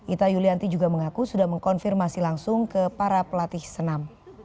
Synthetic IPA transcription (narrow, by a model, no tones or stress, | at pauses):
ʔit̪ajuliant̪id͡ʒuɡaməŋakusudahməŋkɔnfirmasilaŋsʊŋkəpaɾapəlat̪ɪhsənam